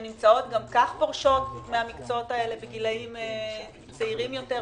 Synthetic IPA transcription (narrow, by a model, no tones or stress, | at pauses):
nimt͡sao̞t̪̚ɡamkaχpoʁʃo̞tmeamikt͡sootae̞le̞beɡilaime | t͡saiʁimjomte